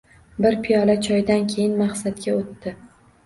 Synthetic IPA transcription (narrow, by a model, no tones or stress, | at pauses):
bɪɾpʰijɒlat͡ʃʰɒjd̪ankʲʰe̞jɪnmaχsat̪ɡʲaot̪ːɪ